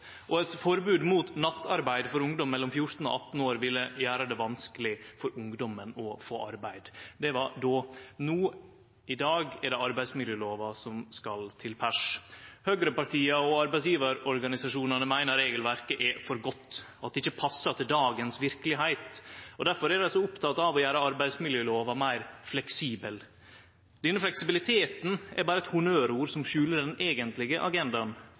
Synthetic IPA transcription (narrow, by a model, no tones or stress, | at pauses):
ʔɔɛt̪fɔɾbʉːd̪muːt̪nɑt̪ːɑɾbæɪd̪fɔɾʊŋd̪ɔmːɛlːɔmfjʊɾt̪n̩ɔ̰ʔɑt̪ːn̩oːɾʋɪlːəjæːɾəd̪ɛʋɑnskəlɪfɔɾʊŋd̪ɔmənɔfo̰ːʔɑ̰ɾbæɪd̪d̪ɛʋɑɖonuː | ʔɪd̪ɑːɡɛɾɖɛɑɾbæɪsmɪd̪jəːloːʋɑsɔmskɑlt̪ʰɪlpʰæʂhøːɡɾəpɑʈʰiːɑɔɑɾbæɪsjiːʋɑɾɔɾɡɑnɪsɑʂuːnɑnəmæɪnəɾeːɡəlʋæɾkəʔɛfɔɾɡɔt̪ː | ɑt̪̚ɛɪçəpʰɑsːɑt̪ʰɪld̪ɑːɡənsʋɪɾkəlɪɦæɪt̪ɔd̪æɾfɔɾɛd̪æɪsɔʊpt̪ʰɑt̪ɑʋɔjæːɾəɑɾbæɪd̪smɪljøːloːʋɑmæɪɾflɛksiːbəl | d̪̥ɛnːəflɛksɪbɪlɪt̪ʰeːt̪n̩ɛɾbɑːɾəɛt̪hʊnøːɾuːɾsɔmʃʉːləɖɛneːɡənt̪lɪɡəʔɑɡɛnd̪ɑn